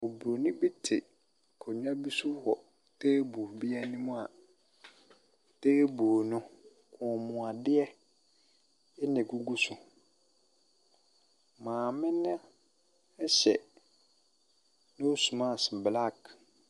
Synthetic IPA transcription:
o˨bu˨ɾo˨nɪ̃˦bi˦tʰɪ˨ | kʰo˨ɲ˦ã˦bi˦su˦hɔ˨ | teː˦bu˨bi˦ɛ˦nɪ̃˦mʊ̃˦a˨ | teː˦boː˨nʊ̃˦ | kʰʊ̃˨mʊ̃˨a˨dɪ˦ɛ˦ | ɛ˦nɛ̃˨ɡu˦ɡu˦sʊ˨ | mãː˨mɪ̃˦nã˦ | ɛ˦ɕɛ̰˨ | nɪ̃˦o˦su˨mã˦˨sɪ˨bla˦˨k

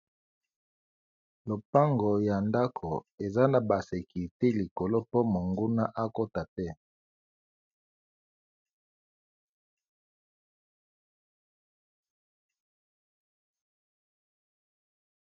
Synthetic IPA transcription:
lo˨pa˦ŋɡo˨ja˨nda˦kʰo˨e˨za˦na˨ba˨se˨ki˨te˦li˨ko˨lo˦po˦mo˨ŋɡu˦na˦ʔa˦ko˦ta˨tɛ˦

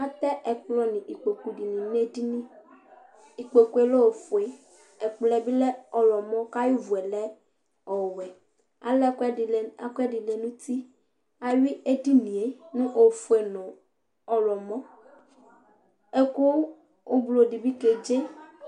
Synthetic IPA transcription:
a˦t̪ɛ˦ɛ˨k͡plɔ˦nĩ˨ʔi˨k͡pe˨ku˨ɖi˨nĩ˨ne˦di˦nĩ˦ | i˨k͡pe˨ku˦e˦lo˦o˨fo˨e˨ | ɛ˨k͡plɛ˨bi˦lɛ˦ɔ˨lɔ˨mɔ̃˦ka˦ju˦vu˨ɛ˨lɛ˦ | ɔ˨wɛ˨ | a̰˨lɛ˦˨a˨kɛ˦di˨le˨nũ˦t̪i˦ | a˨wi˦e˦di˦nĩ˨e˨nũ˦ʔo˨fo˨e˨nɔ̃˨ | ɔ˨lɔ˨mɔ̃˦ | e˦ko˦ | o˦blo˨ɖi˨bi˦ke˨d͡ʒe˦

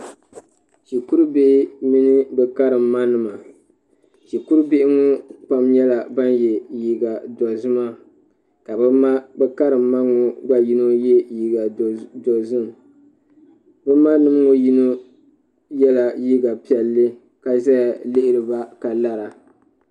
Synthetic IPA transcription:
ʃi˨ku˦ɾu˦be˦ʔɪ˦mi˦nɨ˦bɛ˨ka˦ɾɨ˨mːa˦nɨ˨ma˨ | ʃi˨ku˦ɾbe˦ʔɪ˦ŋʊ˦k͡pa˦mjɛ˦la˨ba˦njɛ˨jiː˦ɡa˨dɔ˨zɨ˦ma˦ | ka˨bma˦bɛ˦ka˦ɾɨ˨mːa˦ŋʊ˨ɡ͡ba˦ji˦no˦jɛ˦ji˨˦ɡa˨dɔ˨zʊ˦m˨ | bɛ˦ma˦nɨ˨mŋo˦ji˦no˦ | jɛ˦la˨jiː˦ɡa˨pi˨ɛ˨lːɨ˦ | ka˨za˦ja˨lɪ˦ʔɪ˨ɾɨ˨ba˦ka˨la˦ɾa˨

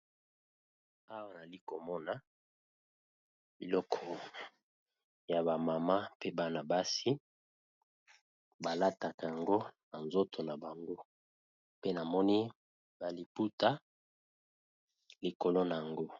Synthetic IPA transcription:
a˦wa˨na˨li˦ko˨mɔ˦na˨ | bi˨lɔ˦kʰɔ˨ | ja˨ba˨ma˨ma˦pe˦ba˦na˨ba˦si˦ | ba˨la˦ta˨ka˨ja˨ŋɡo˦na˨nzo˦tʰo˨na˨ba˨ŋɡo˦ | pe˦na˨mɔ˦ni˦ | ba˨li˨pu˦ta˦ | li˨ko˨lo˦na˨ja˨ŋɡo˦

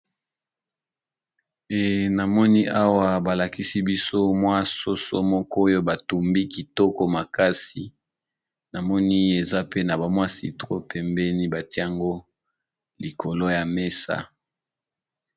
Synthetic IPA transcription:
e˨na˨mɔ˦ni˦ʔa˦wa˦ba˨la˨ki˦si˦bi˦so˦mwa˦so˦so̰˦mɔ˦kɔ˦jo˦ba˨tu˨mbi˦ki˨tɔ˦kɔ˦ma˨ka˦si˨ | na˨mɔ˦ni˦e˨za˦pe˦na˨ba˨mwa˦sḭ˨tʁo̰˦pʰɛ˨mbɛ˦ni˦ba˨ti˦a˨ŋɡo˦ | li˨ko˨lo˦ja˨me˦sa̰˦

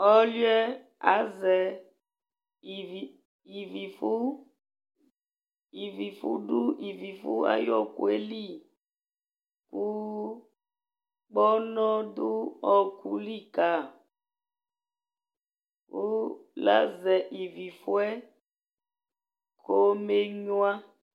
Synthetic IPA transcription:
ɔ˦lɥɛ˦ | a˨˦zɛ˨ | i˨vi˨fu˦ | i˨vi˨fṵ˦du˦i˨vi˨fu˦a̰˦jɔ˦ku˨e˦li˦˨ | ku˦ | k͡pɔ˦nɔ˦du˦ɔ˨kʰu˨li˦˨ka˨ | ku˦la̰˦zɛ˨ʔi˨vi˨fu˦ɛ˦ | kʰo˦me˦ɲwa˦

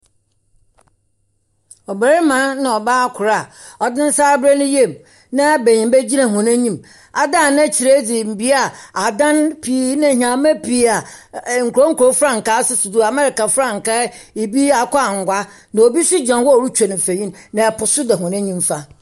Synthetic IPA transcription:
ɔ˨be˨ɾɪ˦mã˨˦nã˨ɔ˨baː˦a˦kʷʰʊ˨ɾa˦˨ɔ˨dɪ̃˦n̩˦saː˦bɾɛ˦nʊ̃˦je˦˨m | nã˦˨be˨ɲɪ̃˨mbe˦d͡ʑi˦nã˨ɦɔ̃˨nɛ̃˦ɲĩ˦˨m | a˨dã˦˨nã˦t͡ɕʰi˨ɾe˦d͡zɪ˨m̩˨bi˦a˨a˨dã˦npʰi˦nã˦ɦã˨mɛ̃˦pʰi˦a˨ŋ̩˨kʰɾo˦ŋ̩˦kʰu˨ɾo˦fɾã˦ŋ̩˨ka˦sʊ˦sʊ˨dʊ˦a˨mɛ˦ɾɪ˨ka˨fɾã˦˨ŋ̩˨ka˦ | i˨bi˦a˨kʷʰɔ˦a˨ŋ̩˨ɡʷa˦ | nã˨o˨bi˦sʊ˦d͡ʑã˨˦wɔ˦˨ɾu˦t͡ɕʰᶣa˨nɪ̃˨fe˨ɲĩ˦nnã˨ɛ˨pʰʊ˨sʊ˦dɛ˨ɦɔ̃˨nɛ̃˦ɲĩ˦mfa˦

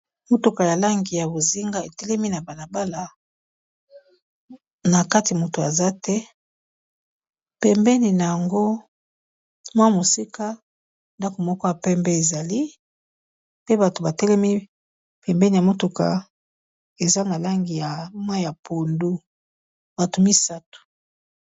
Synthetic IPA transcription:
mo˦to˨ka˨ja˨la˦ŋɡi˨ja˨bo˨zi˦ŋɡa˦e˨tɛ˦lɛ˦mi˦na˨ba˨na˨ba˦la˨ | na˨ka˦ti˨mo˨to˨a˨za˦tɛ˦ | pɛ˨mbɛ˦ni˨na˨ja˨ŋɡo˦ | mwa˦mo˨si˦ka˦ | nda˦ko˨mɔ˦kɔ˦ja˨pɛ˦mbɛ˦e˨za˨li˦ | pe˦ba˨to˨ba˨tɛ˦lɛ˦mi˦ | pɛ˨mbɛ˦ni˨a˨mo˦tu˨ka̰˨ | e˨za˦na˨la˦ŋɡi˨ja˨mwa˦ja˨pʰo˨ndu˦ | ba˨to˨mi˦sa˦tu̥˨

